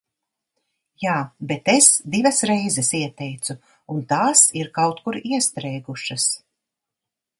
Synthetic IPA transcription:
jaːbet̪esd̪ivɐsɾɛjzɛsiɛt̪ɛjt̪su | unt̪aːsiɾkawt̪kuɾiɛst̪ɾɛjɡuʃɐs

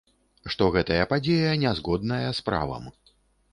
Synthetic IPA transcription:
ʂt̪ɔɣɛt̪ɐjɐpad͡zʲejɐnʲɛzɣɔd̪nɐjɐspɾa̰vɐ̰m

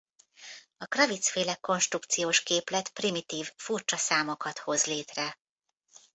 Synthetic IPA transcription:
ɒkrɒvit̪sfeːlɛkːo̞nʃt̪rukt̪sijoːʃkeːplɛt̪primit̪iːvfurt͡ʃɒsaːmo̞kɒt̪ho̞zleːt̪rɛ

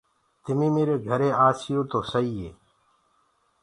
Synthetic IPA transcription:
t̪ɪmiːmeːɾeːɡʱəɾeːaːsijoːt̪oːsəiːɦeː

